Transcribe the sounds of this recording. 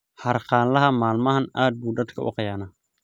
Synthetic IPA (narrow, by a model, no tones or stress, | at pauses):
ħɐrqɑːnlɐɦɐmaːlmɐɦɐnaːd̪̚buːdɐd̪kʰɐʔʊ̰qɑjaːnɐ